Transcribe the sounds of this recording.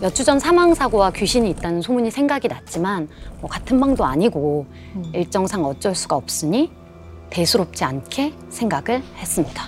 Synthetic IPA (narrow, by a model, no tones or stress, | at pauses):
jʌt͡ɕʰud͡ʑʌnsʰamaŋsʰaɡowakjuɕʰiɲiːt̚t͈anɯnsʰomuɲisʰeŋɡaɡinat̚t͡ɕ͈imanmwʌkatʰɯnbaŋdoaɲiɡo | iɭt͡ɕ͈ʌŋsʰaŋʌt͡ɕ͈ʌɭs͈uɡaʌp̚s͈ɯɲi | te̞sʰuɾop̚t͡ɕ͈iankʰe̞ | sʰe̞ŋɡaɡɯɭhe̞s͈ɯmɲida